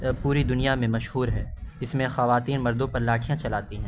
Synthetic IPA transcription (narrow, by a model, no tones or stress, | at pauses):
puːɾid̪ʊnijamẽmɐʃhuːɾɦɛːɪsmẽxɐʋaːt̪iːnmɐɾd̪õpɐɾlaːʈʰijãt͡ʃɐlaːt̪iɦɛ̃ː